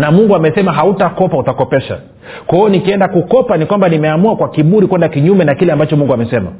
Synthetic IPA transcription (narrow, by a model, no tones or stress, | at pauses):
namuŋɡuamɛsɛmaɦautakɔpautakɔpɛʃa̰ | kwaɔnikiɛndakukɔpanikwambanimɛamuakwakiɓuɾikwɛndakiɲumɛnakilɛambat͡ʃɔmuŋɡuamɛsɛma̰